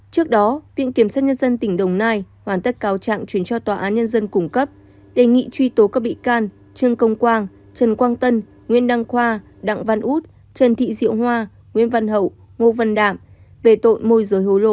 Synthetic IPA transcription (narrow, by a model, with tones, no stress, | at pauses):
t͡ɕɨ˦˥ək̚ɗɔ˨˦vḭ˧˨ənki˧˩əmsaː˦˥t̚ɲə˧nzə˧nt̪ï˧˩ŋ̟ɗə˨˩wŋ͡mnaː˧j | hwaː˧˩nt̪ə˦˥t̚kaː˨˦wt͡ɕa̰ː˧˨ŋt͡ɕwi˨˦ənt͡ɕɔ˧t̪waː˨˩ʔaː˨˦nɲə˧nzə˧nkʊ˧˩ŋ͡mkə˦˥p̚ | ɗe˧˨˩ŋḭ˧˨t͡ɕwi˧t̪o˨˦kaː˧˥k̚ɓḭ˧˨kaː˧n | t͡ɕɨ˧əŋkə˧wŋ͡mkwaː˧n | t͡ɕə˨˩nkwaː˧nt̪ə˧n | ŋwḭ˧˥ənɗa˧ŋxwaː˧ | ɗa̰˧˨ŋva˧nʔu˦˥t̚ | t͡ɕə˨˩nt̪ʰḭ˧˨zḭ˧˨əwɦwaː˧ | ŋwḭ˧˥ənva˧nɦə̰˧˨w | ŋo˧və˧nɗa̰ː˧˨m | ve˧˨˩t̪o̰˧˨nmo˧jzəː˨˦jɦo˨˦lo̰˧˨